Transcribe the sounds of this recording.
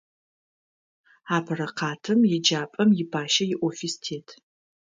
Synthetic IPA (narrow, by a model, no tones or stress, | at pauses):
aːpʰɐɾɐqʰɑːtʰɨmjɪd͡ʒaːpʼɐmjɪbʰaːʃɐjɪʔʷofistʰeːtʰ